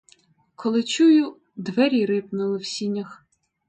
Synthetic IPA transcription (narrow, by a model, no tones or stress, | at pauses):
kʰɔlˠɪt͡ʃujʊ | d̪ʋɛɾʲiɾɪpnʊlˠɪwsʲinʲɐx